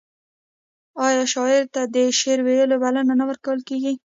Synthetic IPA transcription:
ɑjɑʃɑɪɾt̪ad̪əʃeɾwejəlobalananawəɾkawəlkeɡi

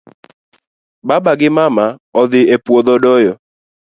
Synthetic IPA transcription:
babaɡɪmamaɔðɪepwoðɔdɔjɔ

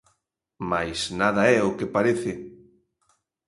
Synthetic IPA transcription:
majsnaðɐɛʊkɪpaɾeθɪ

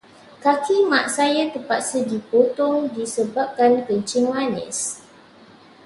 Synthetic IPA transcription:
kakʰimaʔsajat̪əpat̪̚sədipot̪ɔŋdisəbap̚kankəɲt͡ʃɪŋmanə̰s

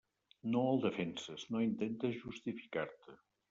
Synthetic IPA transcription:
noəlˠd̪əfɛnsəznoint̪ent̪əzʒust̪ifi̥kaɾt̪ə

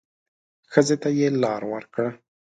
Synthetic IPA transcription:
xəzet̪ajelɑɾwəɾkɽa

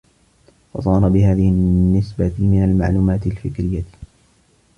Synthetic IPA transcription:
fɑ̰sˤɑːɾˤɑbɪhaːðɪhɪnːɪsbamɪnalmaʕluːmaːt̪ɪlfɪkɾɪjːa

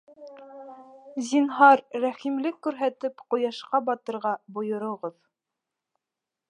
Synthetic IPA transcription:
zʲinɦɑɾːæχimlɘkːʉɾɦæt̪ɘpqŏjɑʃqɑbɑt̪ɤ̆ɾʁɑbŏjŏɾŏʁɤð

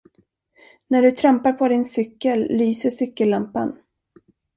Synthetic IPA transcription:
næɖɵt̪ʰɾampaɾpʰɔd̪ɪnsʏkːəlːyːsəʂʏkːəlːampa̰n

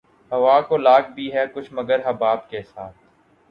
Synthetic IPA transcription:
ɦɐʋaːkolaːk̚bʱiɦɛkʊt͡ʃʰməɡəɾɦɐbaːbkesaːt̪̚ʰ

